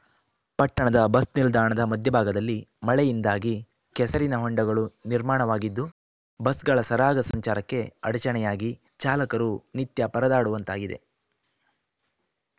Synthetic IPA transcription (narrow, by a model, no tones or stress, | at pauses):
pɐʈːɐɳɐd̪ɐbɐsnild̪aːɐɳɐd̪ɐmɐd̪ʱjɐbʱaːɡɐd̪ɐlːimɐɭɛjind̪aːɡi | kɛsɐɾinɐɦoɳɖɐɡɐɭuniɾmaːɳɐʋaːɡid̪ːu | bɐsɡɐɭɐsɐɾaːɡɐsɐɲt͡ʃaːɾɐkːe̞ɐɽɐt͡ʃɐɳɛjaːɡi | t͡ʃaːlɐkɐɾunit̪jɐpɐɾɐd̪aːɽuʋɐnt̪aːɡid̪e̞̰